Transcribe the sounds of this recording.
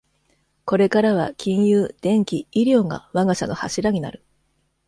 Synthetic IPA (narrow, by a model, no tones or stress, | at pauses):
ko̞ɾe̞kaɾaβa̰kʲĩɰ̃jɯːd̪̥ẽ̞ŋkʲiiɾʲo̞ːŋa̰βaɡaɕano̞haɕiɾaɲ̟ina̰ɾɯ̟